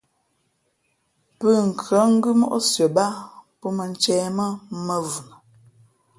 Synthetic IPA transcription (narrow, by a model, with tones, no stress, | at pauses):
pə˦˨ŋ̩˨kʰɰə˨˦ŋ̩˦ɡʉ˦mɔ̰˦ʔo˦sjə˨ba˦pɔ˦mə˨n˦t͡ʃɛː˦mə˦mə˦vu˨nə˨